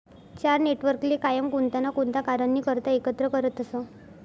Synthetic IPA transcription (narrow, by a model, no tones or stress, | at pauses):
t͡ɕaɾneʈʋəɾklikajəmkunt̪anakunt̪akaɾənːiːkəɾt̪əekət̪ɾəkəɾət̪əsə